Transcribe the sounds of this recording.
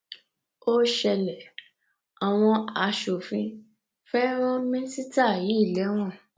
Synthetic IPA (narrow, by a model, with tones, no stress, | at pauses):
o˦ʃɛ˧lɛ˨ | a˨w̃ɔ̃˧a˨ʃo˨fĩ˧ | fɛ˦ɾ̃ɔ̃˦mĩ˦si˦ta˦˨ji˨˦i˦˨lɛ˨˦w̃ɔ̃˦˨